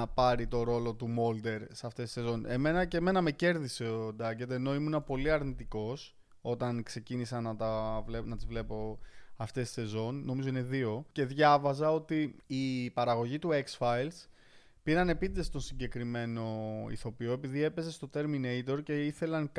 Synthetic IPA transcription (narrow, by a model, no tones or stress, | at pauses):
pɐɾit̪o̞ɾo̞lo̞t̪umo̞ld̪e̞ɾseɐft̪e̞si̥se̞zo̞ne̞me̞nɐce̞me̞nɐme̞ce̞ɾðiseod̪ɐʝe̞t̪e̞no̞imunɐpo̞liɐɾnit̪iko̞s | o̞t̪ɐnkse̞cinisɐnɐt̪ɐvlenɐt̪izvle̞po̞ɐft̪e̞si̥se̞zo̞nːo̞mizo̞ine̞ðio̞ce̞ðʝɐvɐzɐo̞t̪iːpɐɾɐɣo̞ʝit̪ue̞ksfɐjls | piɾɐne̞pid̪est̪o̞nsiɲɟe̞kɾime̞no̞ḭθo̞pio̞e̞piðie̞pe̞ze̞st̪o̞t̪e̞ɾminejt̪o̞ɾce̞iθe̞lɐŋ